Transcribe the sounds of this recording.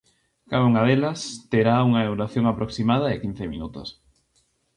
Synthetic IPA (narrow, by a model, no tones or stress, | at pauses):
kaðauŋaðelast̪eɾauŋaewɾaθjoŋapɾʔoksimað̞aekin̟θemḭnut̪o̰s